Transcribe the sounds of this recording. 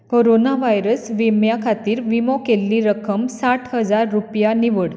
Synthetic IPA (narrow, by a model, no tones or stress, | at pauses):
koɾonaʋajɾəsʋimjakʰat̪iːɾʋimɔkelːiɾəkʰəmsaʈʰɦəd͡zaɾːupjaniʋəɽ